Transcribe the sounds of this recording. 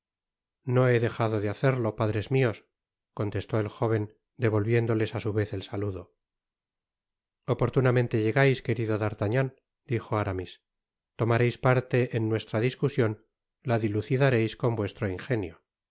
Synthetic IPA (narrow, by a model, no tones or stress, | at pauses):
no̞e̞ðe̞xaðo̞ðeaθeɾlo̞paðɾe̞zmio̞s | ko̞nt̪e̞st̪o̞e̞lxo̞βe̞n | d̪e̞β̞o̞lβje̞nd̪o̞le̞sasuβe̞θe̞lsaluðo̞ | opo̞ɾt̪unamẽnt̪e̞ʝe̞ɣajske̞ɾiðo̞ðaɾt̪aɲan | d̪ixo̞aɾamis | t̪o̞maɾejspaɾt̪e̞ʔenːwe̞st̪ɾaðiskusjo̞n | laðiluθiðaɾe̞jsko̞mbwe̞st̪ɾoiŋxe̞njo